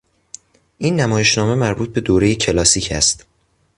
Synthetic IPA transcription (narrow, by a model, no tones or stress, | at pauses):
ʔiːnːæmɒːje̞ʃnɒːme̞mæɾbuːt̪̚be̞d̪oːɾe̞jecʰe̞lɒːsiːcʰæ̰st̪